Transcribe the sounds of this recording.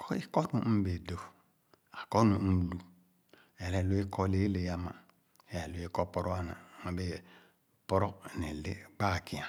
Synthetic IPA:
kɔ˦i˦kɔ˦nũ˨m̩˦be˨do˨ | a˨kɔ˦nu˨˦˨lu˨ | ɛ˨ɾɛ˨lu˦i˦kʰɔ˦le˨˦le˨ja˦ma̰˨ | ɛ˨ɾɛ˨lu˨˦e˦kɔ˦pɔ˦ɾɔ˦a˦na̰˨ma˨be˦˨ | pɔ˦ɾɔ˦ne˨le˦ɡ͡ba˦˨ki˨a˨

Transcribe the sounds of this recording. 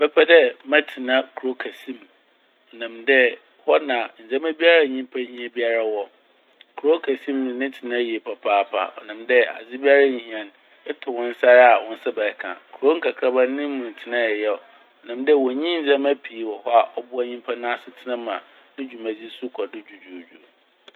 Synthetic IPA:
bɛ˦pʰɛ˦dɛ˦mã˦tʰɪ˨nã˦kʰu˨ɾo˦kʰa˨sĩ˦m | ɔ˨nã˨mdɛ˦ | hɔ˦nã˨n̩˨d͡zã˦mæ˦bi˦a˦ɾa˦˨ɲĩ˦m˦pʰa˦ɲĩ˦a˦bi˦a˦ɾa˦wɔ˦ | kʰu˨ɾo˦kʰæ˨sĩ˦mnʊ̃˨nɪ̃˦tʰɪ˨nã˦˨i˨e˨pʰa˨pʰaː˦˨pʰa̰˦ɔ̰˨nã˨mdɛ˦a̰˨d͡zɪ˦bi˦a˦ɾa˦ɲĩ˨ɲ˨˦˨ã˨n | ɛ˦tʰʊ˨wʊ̃˦n̩˦sa˦ɾa˨wʊ̃˦n˦sɛ˦bɛ˨˦kʰã̰˨kʰu˨ɾo˦ŋ̩˦kʰa˨kʰɾa˦ba˦nɪ̃˦mʊ̃˨n˨tʰɪ˨nã˦ɛ˨jɛ˦˨ɔ˨ | ɔ˨nã˨mdɛ˦˨wɔ˨ɲĩ˦n̩˨d͡zã˦mæ˦pʰi˨˦wɔ˨hɔ˦a˨ʔɔ˦bʊ˦a˦ɲĩ˦m˦pʰa˦nã˦sɪ˦tʰɪ˦nã˦mã̰˨ | nɪ̃˦d͡ʑᶣu˨mã˨d͡zi˦sʊ˦kʰɔ˨dɪ˦d͡ʑᶣu˨d͡ʑᶣu˨d͡ʑᶣu˨

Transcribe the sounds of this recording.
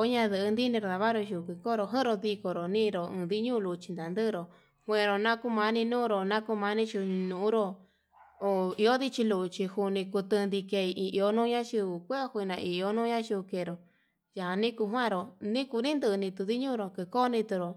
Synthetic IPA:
o˦ɲã˧ðɨ˧ʔɨ˧nd̪i˦nĩ˧ɾo˧˨ða˧βa˦ɾo˧ʃu˧˨kɨ˧ko˦˧ɾo˧ɦɨ̃˦ɾo˧ði˧ko˧ɾo˨nĩː˦˧ɾo˨ɨ̃˧ði˦ɲũ˦˧lu˧t͡ʃi̥˧nd̪a˨nd̪ɨ˦˧ɾo˨ | hʷẽ˧ɾo˧nã˦ku˧mã˧nĩ˧nũː˦˧ɾo˧nã˦ku˧mã˧˦nĩ˦t͡ʃu˧nũ˧˨ũ˦ɾo˧ | o˧˨i˧o˦ði˦t͡ʃi˧lu˧t͡ʃi˧hu˧nĩ˧ku˧t̪ɨ˧nd̪i˧ke˧i˧ʔi˧ʔo˧nũː˦˧ɲã˦ʃu˧u˨kʷe˦hu˧i˧nã˧ʔi˧o˦nũː˦ɲã˦ʃu˧ke˧˨˧ɾo˨ | ja˨a˧nĩ˦ku˧ɦwã˦˨ɾo˧nĩ˦ku˧nĩ˦nd̪ɨ˧nĩ˧t̪u˧ði˦ɲũ˦˧ɾo˨kɨ˧koː˦˧nĩ˧t̪u˧ɾo˨

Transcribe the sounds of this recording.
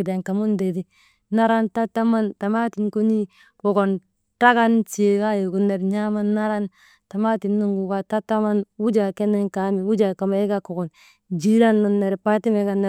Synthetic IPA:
i˨de˨ŋka˨mu˦nde˨di˦ | na˦ɾa˦nta˦ta˦ma˦nta˨ma˦ti˨nku˦ɲi˦ | ko˨ko˨n | ta˦ka˦nt͡ʃi˨e˨ka˦jo˨ku˨nːe˨ɾɲa˦ma˦nːa˦ɾa˦n | ta˨ma˦ti˨nːu˦ŋɡu˨ka˨ta˦ta˦ma˦nwu˦d͡ʒa˨ke˦nːe˦ŋka˨˦mi˨wu˦d͡ʒa˨ka˨me˦ɡa˦ko˨ɡo˨n | d͡ʒi˦ɾa˦nːo˨nːe˨ɾpa˦ti˦me˨˦ɡa˨˦ne˨

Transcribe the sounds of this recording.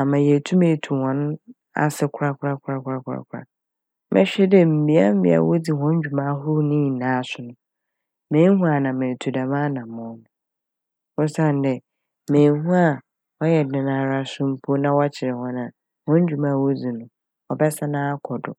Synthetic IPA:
a˨mã˨jɛ˨tʰu˦mẽ˨tʰu˨hɔ̃˨ñ˦ | a̰˨sɛ˦kʰʊ˦ɾa˦kʰʊ˦ɾa˦kʰʊ˦ɾa˦kʰʊ˦ɾa˦kʰʷʊ˦ɾa̰˦kʷʰɾa̰˨ | mʔɛ̰˦ɕᶣɛ˦dɛ˦m̩˨bi˨˦a̰˦m̩˦bḭ˨a̰˨wo˦d͡zi˨hɔ̃˦ɲ˦d͡ʑᶣu˨mã˦ɦʊ˦nĩ˦˨nãː˨˦sʊ˨˦nʊ̃˨ | mẽː˨˦hũ˦a˨nã˨mẽ˨tʰu˨da˨mãː˦nã˨mɔ̃˨˦nʊ̃˨ | wʊ̃˦sã˦˨n˨˦dɛ˨ | mẽː˨hũ˦a˦˨ | ɔ˦jɛ˨dɪ̃˨nã˨˦ɾa˦sʊ̃˦m̩˦pʰo˦nã˦wɔ˦t͡ɕʰɪ˨ɾɪ˨hɔ̃˦nã˨ | hɔ̃˦ɲ˦d͡ʑᶣu˨mã˦˨wo˦d͡zi˨nʊ̃˨ | ɔ˨bɛ˦sa˦nãː˦a˦kʰɔ˨dʊ̰˨

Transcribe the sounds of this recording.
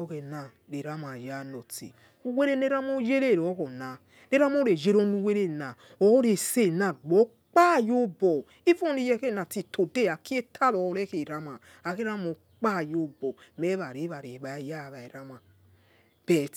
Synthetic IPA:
o˦ke˨na˨ | ɾe˨ɾa˦ma˨ja˦no˨tḭ˨ | u˦we˦ɾe˦ne˦ɾa˦mo˦je˦ɾe˦˨ɾo˦ko˨na˨ | ne˦ɾa˦mo˦ɾe˨je˦ɾo˦nu˦we˦ɾe˦˨na˨ | o˨˦ɾe˨se˦˨na˨ɡ͡bɔ˨˦ | k͡pa˦˨jo˦bo˨ | i˦fo˦ni˦˨jɛ˦ke˦˨na˨ti˨tʰo˨de˦˨a˨ki˦e˦tʰa˦˨lo˨˦ɾe˦ke˨ɾa˦ma˨ | a˨ke˦ɾa˦mo˨ | k͡pa˦˨jo˦bo˨me˦βa˨ɾe˨˦βa˨ɾe˨βa˨˦ja˦˨βa˨e˨ɾa˦ma˨ | b̥e˨t

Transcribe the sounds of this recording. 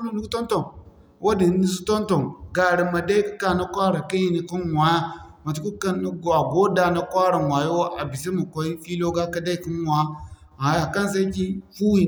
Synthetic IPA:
ma˨nu˦ku˦to˦nto˨ | wʔo˦di˨˦ni˦su˦to˦nto˨ɡa˨ɾi˨ma˨da˦i˦ki˦ka˨na˦kʷa˦ɾa˨ki˦ji˦ni˨ku˦nwa˨ja˦ma˨t̬u˨ku˦ka˦ni˦ɡa˨ɡo˦da˨na˦kʷa˦ɾa˨nwa˨jo˦ʔa˨bi˨si˦mu˨kʷa˨˦i˦fi˦lo˦ɡa˦ka˦da˦i˦˨ki˦wʷa˨˦ | a˨ja˨ka˦ns̬a˦i˦ki˦fu˦wi˨

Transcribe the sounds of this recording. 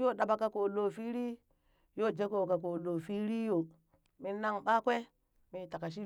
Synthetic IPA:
jo˦˨ɗa˨ba˨ka˦ko˨lo˦˨fi˦ɾi˦ | jo˦˨d͡ʒe˦ko˨ka˨k̬o˨lo˨fi˦ɾi˦jo˨ | mi˦na˦ŋɓa˦kʷe˦ | mi˨˦ta˨ka˨ʃi˦

